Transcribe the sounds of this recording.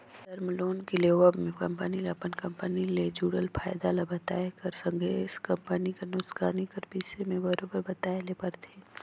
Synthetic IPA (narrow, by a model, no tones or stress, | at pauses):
d̪ɐɾmloːnkileːʋəbmẽkɐmpənileɐpənkɐmpəniled͡ʒuːɽəlpʰaːjd̪alabɐt̪aːekɐɾsɐ̃ŋɡʱeːskɐmpənikenʊskaːnikɐɾpiːt͡ʃʰemẽbɐɾoːbəɾbɐt̪aːelepɐɾt̪ʰeː